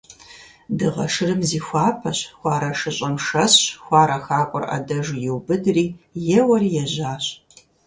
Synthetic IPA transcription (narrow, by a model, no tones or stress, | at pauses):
dɨʁɐ̰ʂɨrɨmziːxʷɑːpʰɐɕxʷɑːɾɐʂɨɕʼɐmʂɐsxʷɑːɾɐxaːkʷʼʊrʔɐ̰dɐʒjɪwbɨdriːjɛwɐriːjɛʑaːɕ